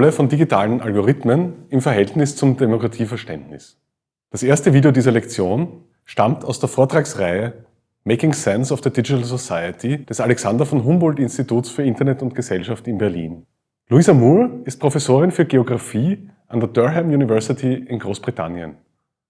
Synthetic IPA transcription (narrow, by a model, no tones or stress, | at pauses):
ləfɔndiɡitʰaːlənʔa̰lɡoʁɪtmənɪmfɛɐɦɛltnɪst͡sʊmdemokʁ̥atʰiːfɐʃtɛndnɪs | d̥asʔeːɐstəviːdeodiːzɐlɛkt͡sjoːn | ʃtamtʰaʊsd̥eːɐfoːɐtʁ̥aːksʁaɪə | meɪkɪŋsɛnsɔfð̥ədid͡ʒɪtəls̬osaɪətʰid̥ɛsalɛksandɐfɔnɦʊmbɔltɪnstituːtsfyːɐɪ̃ntɐnɛtʊntɡ̥əzɛlʃaftɪnbɛɐlḭːn | luiːzamuːɪst̚pʁ̥ofɛsoːʁɪnfyːɐɡeoɡʁafiː | ʔandeɐdœɐɦɛmjuːnivɛɐsɪtʰiɪnɡʁoːsb̥ʁitʰa̰njə̰n